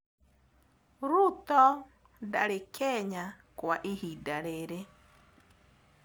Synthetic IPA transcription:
ɾut̪ɔ | daɾekʰɛɲakwaʔihidaɾeɾe

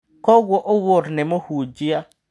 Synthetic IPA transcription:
kɔɣwɔʔowoɾnemohud͡ʒia

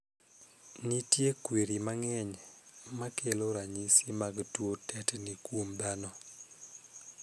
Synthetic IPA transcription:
nitjekweɾimaŋɛɲmakeloɾaɲisimaɡtwotɛtnikwomd̪anɔ

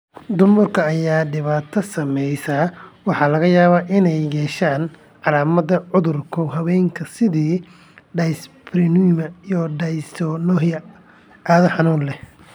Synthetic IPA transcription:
d̪ʊmʊrkʰɐːjaːɖɪβaːt̪ʰɐsɐmɛjsaːwɑħɑːlɐɣɐjaːβaːʔɪnɛjjɛːʃaːn | ʕɑlaːmɐðɐʕʊðʊrkʰɔɦɐwɛjŋkʰɐsɪðiː | ɖɐjspɾɪnumɐijɔɖɐjst̪ʰɔnɔːhjɐ | ʔaːðɐħɑnuːnlɛ

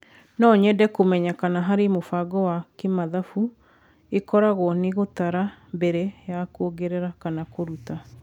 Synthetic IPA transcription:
nɔɲɛdɛkomɛɲakanaɦaɾemofaɡɔwakemaðafu | ekɔɾaɣɔɔneɣotaɾambɛɾɛjakwoɡeɾɛɾakanakoɾuta

